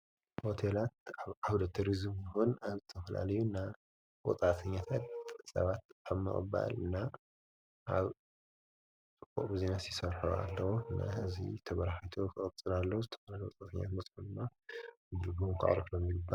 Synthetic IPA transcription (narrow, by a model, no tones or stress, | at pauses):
ho̞t̪ʰelat̪̚aβʔawd̪ɐt̪ʰuɾizmjɪxonaβzɨt̪ʰɐfɐla̰lɐjuɨnːa | wɔ̰t͡sʼat̪ʰɐɲːat̪ʰat̪̚sɐ̰βat̪aβmɨ̰χʼɨ̰ba̰lɨnːa | ʔaβ | ɨkʼoʔʼbɨzenasjisɐβħoa̰lːɐwoɨnːa̰ɨzḭt̪ʰɐβɐɾaħijt̪ʰokʰɨʔʼɨt͡sʼɨlalːɐwzɨt̪ʰɐ̥fɐlalowɔt͡s̪ʼat̪ʰɐɲːa̰t̪mɐsʼħund̪mːabɨd̪ɨɡukʰɨ̰ʕ̰ɾɐflomjɪɡɨbːa